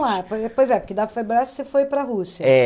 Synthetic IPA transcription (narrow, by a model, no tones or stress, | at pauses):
apoɛpojzɛpʊɾkɪd̪apɾɐfaebɾasɪ̥sefojpɾɐɦusiɐɛ